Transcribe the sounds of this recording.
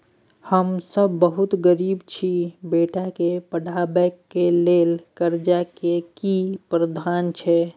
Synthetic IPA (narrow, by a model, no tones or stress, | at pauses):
həmsəbːəɦut̪ɡəɾibt͡ʃʰibeʈakepəɽʱabɛkːelelkəɾd͡ʒakekipɾəd̪ʱant͡ʃʰɛ